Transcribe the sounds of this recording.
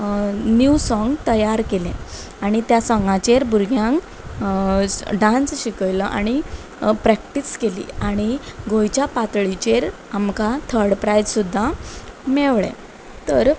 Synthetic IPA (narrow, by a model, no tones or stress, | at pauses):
njusɔ̃ŋɡt̪əjaɾkelẽ | aɽ̃it̪jasɔ̃ŋɡãt͡ɕeɾbuɾɡjãŋk | ɖãnsɕikəjləʔa̰ɽ̃i | pɾɛkʈiskelḭːaɽ̃iɡojt͡ɕjapat̪ɭit͡ɕeɾ | amkat̪ʰəɾɽpɾajd͡zsud̪ʱːameʋɭɛ̰̃ | t̪əɾ